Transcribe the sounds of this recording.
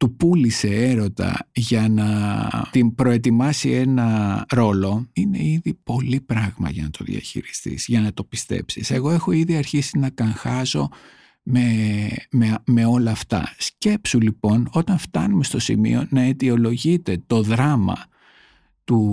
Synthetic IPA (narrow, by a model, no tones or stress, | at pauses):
t̪upulise̞eɾo̞t̪ɐ̰ʝɐnɐt̪inpɾoe̞t̪imɐsie̞nɐɾo̞lo̞ine̞̰iðipo̞lipɾɐɣmɐ̰ʝɐnɐt̪o̞̰ðḭɐ̰çḭɾist̪ḭsʝɐnɐt̪o̞pi̥st̪ḛpsise̞ɣo̞e̞xo̞iðiɐɾçisinɐkɐŋxɐso̞ | mememe̞o̞lɐːft̪ɐ̰sce̞psulipo̞no̞t̪ɐnft̪ɐnume̞st̪o̞sḭmḭo̞nɐet̪io̞lo̞ʝit̪e̞t̪o̞ðɾɐmɐ̰ | t̪u